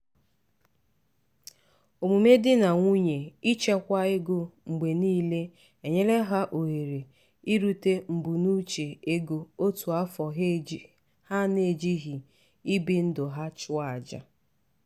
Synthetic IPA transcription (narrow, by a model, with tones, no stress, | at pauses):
o˨mu˨me˦dɪ˦na˨ŋʷu˦ɲe˨i˦t͡ʃe˦kʷa˦ɪ˦ɡo˦ŋ͡m̩˨ɡ͡be˨niː˦le˦ | e˨ɲe˦le˦ɦa˦ʔo˨ɦe˨ɾe˨ | i˦ɾu˦te˦m̩˨bu˨nu˦t͡ʃe˨e˦ɡo˨o˦tu˨a˦fɔ˨ɦ | ha˦ne˨d͡ʒi˦ɦi˨ | i˦bi˦n̩˦dʊ˨ɦa˦t͡ʃʊ˦a˨d͡ʒa̰˨